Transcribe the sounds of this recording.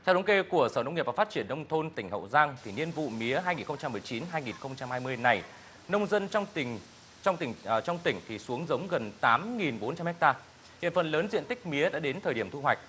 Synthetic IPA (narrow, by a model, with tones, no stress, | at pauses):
t̪ʰɛ˧wɗə˨˦wŋke˧ku˧˩əsəː˧˩nə˧wŋ͡mŋi˨˩p̚va˨˩fa˦˥t̚t͡ɕi˧˩ənːə˧wŋ͡mt̪ʰo˧nt̪ï˧˩ŋ̟hə̰˧˨wzaː˧ŋt̪ʰi˨˩ni˧ənvṵ˧˨mi˨˦əɦaː˧jŋi˨˩nxə˧wŋ͡mt͡ɕa˧mːɨ˨˩əjt͡ɕi˨˦nɦaː˧jŋi˨˩nxə˧wŋ͡mt͡ɕa˧mhaː˧jmɨ˧əjna˨˩j | nə˧wŋ͡mzə˧n˧ | t͡ɕɔ˧wŋ͡mt̪ï˧˩ŋ˨˩t͡ɕɔ˧wŋ͡mt̪ï˧˩ŋ̟t̪ʰi˨˩su˨˦əŋzə˨˦wŋ͡mɣə˨˩nt̪aː˨˦mŋi˨˩nɓo˨˦nt͡ɕa˧mhɛ˦˥k̚t̪aː˧ | hḭ˧˨ənfə˨˩nləː˨˦nzḭ˧˨ənt̪ï˦˥k̟̚mi˨˦əɗa̰ː˧˥ɗe˨˦nt̪ʰəː˨˩jɗi˩əmt̪ʰu˧ɦwa˨˩jk̟̚